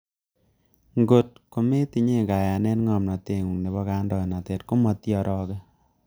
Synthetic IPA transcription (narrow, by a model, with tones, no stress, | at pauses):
ŋɡo˨t̚ko˨me˦ti˨ɲe˦ŋka˨ja˨nɛ˦nŋɔ˨mna˨te˨ŋu˨ŋne˨bɔ˦ka˦ndɔ˨na˨tɛ˨tko˦mɔ˦tjɔ˨ɾʔɔ˦kɛ˦